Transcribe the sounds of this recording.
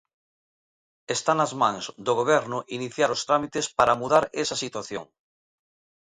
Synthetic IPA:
est̪anazmãŋzd̪oɣ̞oβ̞ɛɾnʊʔiniθjaɾost̪ɾamit̪espaɾamuðaɾesɐsit̪waθjo̰ŋ

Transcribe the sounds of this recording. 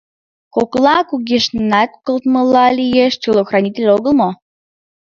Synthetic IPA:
koklˠɑkuɣiʃnɑt̪̚kəlt̪məlɑlʲijeʃt͡ɕilˠoxrɑnʲit̪ʲelʲoɣəlˠmo

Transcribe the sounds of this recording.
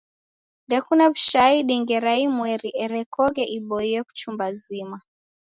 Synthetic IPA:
ndɛkunabuʃaiɗiŋɡɛɾaimwɛɾiʔɛɾɛkɔɡɛʔiɓɔiɛku̥t͡ʃumbazima

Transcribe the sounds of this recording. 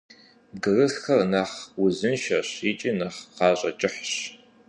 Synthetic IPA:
bɡɨrɨɬxɐrnɐχwʊzɨnʃɐɕit͡ʃʼinɐχqɑːɕʼɐ̰t͡ʃʼɪħɕ

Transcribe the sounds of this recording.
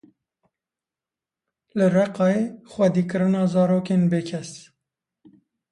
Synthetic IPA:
lɨrɛqɑːexwɛd̪iːkɨɾɨnɑːzɑːɾoːkeːnbeːkʰɛs

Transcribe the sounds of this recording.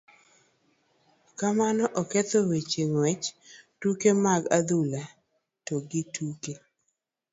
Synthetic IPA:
kamanɔʔɔkɛt̪owet͡ʃeŋwɛt͡ʃtukemaɡad̪ula | toɡɪtʰuke

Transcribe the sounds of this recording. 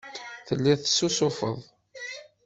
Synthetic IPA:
θəlːiðθəsːusʊfə̰ðˤ

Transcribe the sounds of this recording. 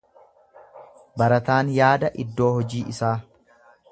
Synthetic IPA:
bɐɾɐt̪aːnjaːd̪ɐʔɪd̪ːo̞ːhɔd͡ʒiːʔɪsaː

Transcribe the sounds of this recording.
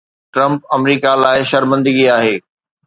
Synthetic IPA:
ʈɾɐ̃mpɐmɾiːkalaːɪʃɐɾmə̃nd̪əɡiaːɦeː

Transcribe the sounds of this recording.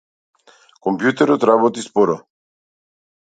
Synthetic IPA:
kʼɔmpʰʼjut̪ʰʼɛɾɔt̪ʰʼɾabɔt̪ʼispʼɔɾɔ

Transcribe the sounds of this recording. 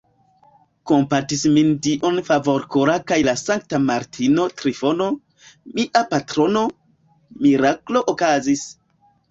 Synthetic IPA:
kompatismindiʔonfavo̞ɾkoɾakajlasaŋk̚tamaɾtʰino̞tɾifo̞no̞ | miʔapatɾo̞no̞ | miɾakloʔokazis

